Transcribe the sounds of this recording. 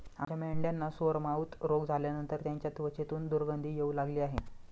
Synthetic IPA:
a̰d͡ʑameɳɖjanːasoɾmaut̪ɾoɡd͡zʱaljanənt̪əɾt̪jaɲt͡ɕjat̪ʋət͡ɕet̪uːnd̪uɾɡənd̪ʱiːjeulaɡliːaɦe

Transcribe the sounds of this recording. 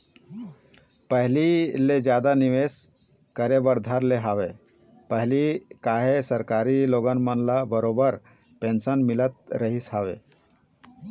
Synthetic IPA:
pəɦliled͡ʒjaːd̪aniʋes | kəɾebəɾd̪ʱəɾleɦaːʋe | pəɦlikaːɦesəɾkaːɾiloːɡənmənlabəɾoːbəɾ | pẽːnsənmɪlət̪̚ɾəɦisɦaːwḛ

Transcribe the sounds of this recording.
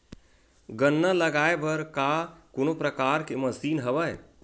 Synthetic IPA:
ɡənːələɡaːebʱəɾkakonopɾəkaːɾkeməsiːnɦəbəj

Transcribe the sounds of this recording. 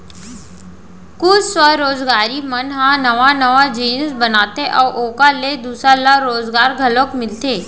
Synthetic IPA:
kʊssʋəɾoːzɡaːɾimənɦãnəʋanəʋad͡ʒiːnsbənaːt̪eʔɔːʔoːkaled̪uːsɾalaɾoːzɡaːɾɡʱəlokmɪlt̪eː

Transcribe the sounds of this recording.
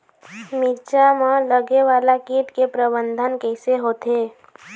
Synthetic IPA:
miɾt͡ʃamãləɡeʋaːlakiːʈ̪kepɾəbə̃nd̪ʱənkɛɪseɦoːt̪eː

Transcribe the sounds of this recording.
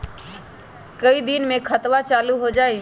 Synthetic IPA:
kəid̪inmẽkʰət̪ʋat͡ʃaːluɦod͡ʒaːi

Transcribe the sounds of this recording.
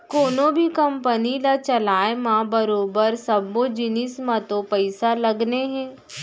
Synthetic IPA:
koːnõbʱikɐ̃mpənilat͡ʃɐlaːemãbɐɾoːbəɾsɐbːõd͡ʒɪnismãt̪õpəɪsalɐɡneɦɛ̃ː

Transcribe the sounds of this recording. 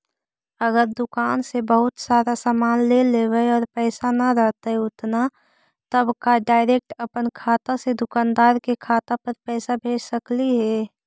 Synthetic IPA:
əɡəɾd̪ʊkaːnsebəɦʊt̪saːɾasaːmaːnleleːwəɔːɾpɛːsanaɾəɦt̪aɦɛʊt̪na | t̪əbkaɖaːɪɾeːk̚ʈəpənkʰaːt̪ased̪ʊkaːnd̪aːɾkekʰaːt̪apəɾpɛːsabʱeːd͡ʒsəkliɦɛː

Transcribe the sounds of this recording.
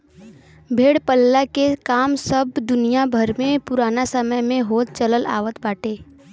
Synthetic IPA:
bʱeːɽpəlːakekaːmsəbd̪ʊnijabʱəɾmẽpʊɾaːnasəməjmẽɦoːt̪̚t͡ʃələla̰ːʋət̪baːʈʰeː

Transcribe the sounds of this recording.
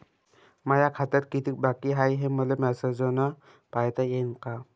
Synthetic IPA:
majakʰat̪əɾkit̪ik̚bakiɦajɦeməlemɛsed͡zona | pajt̪ajenka

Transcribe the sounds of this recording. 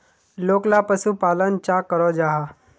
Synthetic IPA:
loːklapəsupaːlənt͡ʃakəɾɔd͡ʒaːɦa

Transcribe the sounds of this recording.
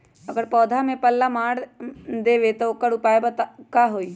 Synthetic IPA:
ɐɡəɾpɔːd̪ʱamẽpəlːamaːɽd̪eːʋet̪okəɽʊpaːebat̪kaɦoːiː

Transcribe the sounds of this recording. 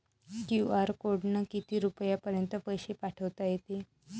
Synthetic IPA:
kjuaɾkoɽnəkit̪iːɾupəjapəɾjənt̪əpəjɕepaʈʰəʋt̪ajet̪e

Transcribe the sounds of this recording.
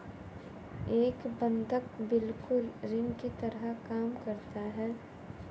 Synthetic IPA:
eːkbə̃nd̪ʱəkbɪlkʊlɾɪnkit̪ɐɾəɦkaːmkɐɾt̪aɦɛː

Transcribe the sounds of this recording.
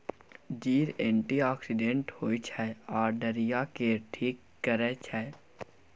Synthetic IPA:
d͡ʒiːɾẽːɳʈiaːksɪɖẽʈhoːit͡ʃʰɛaːɾɖəɾijakeʈʰiːkːəɾɛt͡ʃʰɛː

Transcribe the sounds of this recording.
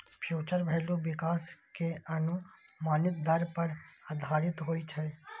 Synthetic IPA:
pʰjuːt͡ʃəɾbʱɛːluʋɪkaːskeənu | maːnɪt̪̚d̪əɾpəɾəd̪ʱaːɾɪt̪ɦoːit͡ʃʰɛ

